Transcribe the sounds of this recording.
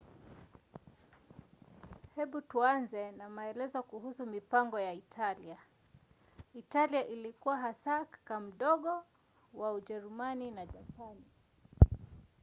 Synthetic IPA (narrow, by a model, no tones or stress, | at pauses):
hɛɓutuanzɛnamaɛlɛzɔkuhusumipaŋɡɔjaitʰalia | italiaʔilikuwaɦasakkam̩ɗɔɠɔ | wauʄɛɾumaninaʄapani